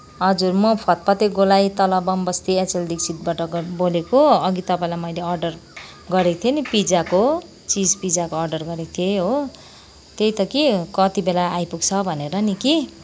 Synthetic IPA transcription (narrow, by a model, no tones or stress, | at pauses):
ɦʌd͡zurmʌpʰʌt̪̚pʌt̪eɡolajt̪ʌlʌbʌmbʌst̪iet͡seld̪iksʰit̪̚baʈʌɡbolekoʌɡit̪ʌpãĩlajmʌjleʌrɖʌr | ɡʌɾekt̪ʰienipid͡zako | t͡sid͡zpid͡zakoʌrɖʌrɡʌɾek̚t̪ʰieɦo | t̪ejt̪ʌkikʌt̪ibelaːjpuɡt͡sʰʌbʱʌneɾʌniki